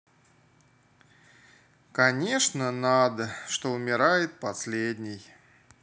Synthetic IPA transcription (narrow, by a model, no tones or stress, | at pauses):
kɐnʲeʂnənad̪əʂt̪oʊmʲɪɾajɪt̪̚pɐsʲlʲed̪ʲnʲɪj